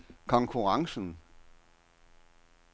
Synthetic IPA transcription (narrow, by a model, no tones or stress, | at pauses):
kʰɒ̽ŋkʰuʁɑ̈ŋsn̩